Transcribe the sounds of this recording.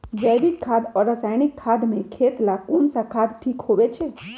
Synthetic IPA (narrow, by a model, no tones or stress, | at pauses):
d͡ʒəɪɾɪkʰːaːd̪ɔːɾːəsaːɪnɪkʰːaːd̪mẽkʰeːt̪lakoːnsakʰaːd̪ʈʰiːkhoʋet͡ʃʰe